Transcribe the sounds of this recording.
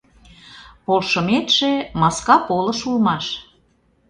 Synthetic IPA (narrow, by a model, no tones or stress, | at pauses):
polʃəmet̪ʃemɑskɑpolɤ̆ʃulmɑʃ